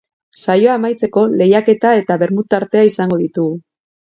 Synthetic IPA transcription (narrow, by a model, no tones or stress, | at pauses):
sajo̞amajt͡se̞ko̞le̞jake̞t̪ae̞t̪aβe̞ɾmut̪aɾt̪e̞aisaŋɡo̞ð̞it̪uɣu